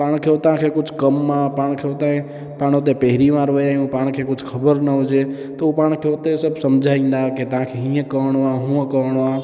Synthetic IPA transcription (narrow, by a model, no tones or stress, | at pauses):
paɽ̃kʰet̪ãkʰekʊt͡ʃʰkəmːãpaɽ̃kʰewt̪ãẽ | pãɽ̃ot̪̬epeɦɾimãɾʋəjajũpãɽ̃kʰekʊt͡ʃʰkʰəbəɾnəɦod͡ʒe | t̪oũpaɽ̃kʰet̪esəbsəmd͡ʒʱaĩnd̪aket̪ãkʰeɦĩə̃kəʋəɳ̃ʋãɦũkəʋəɽʋã